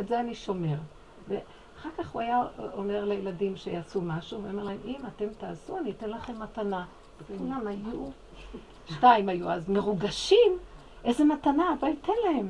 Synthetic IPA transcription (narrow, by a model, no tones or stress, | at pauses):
etzeaniʃo̞me̞ʁ | ve | aχaʁkaχuajaome̞ʁlejeladimʃejat͡sumaʃuveome̞ʁlahemimate̞mtaːzuanite̞nlaχe̞mːatana | kulamaju | ʃnaimajuazme̞ʁuɡaʃim | ʔeze̞matanaːbojite̞nlahem